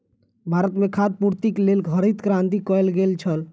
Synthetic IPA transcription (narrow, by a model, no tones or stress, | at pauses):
bʱaɾət̪mekʰad̪̚puɾt̪ikelelɡʱəɾit̪kɾãnt̪ikɔjlɡelt͡ʃʰəl